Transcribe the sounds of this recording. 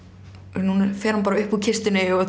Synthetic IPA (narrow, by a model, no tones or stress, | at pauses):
nunɛɾfɛːɾ̥hanpaːɾaʏhpucʰɪst̪ɪnɪɔ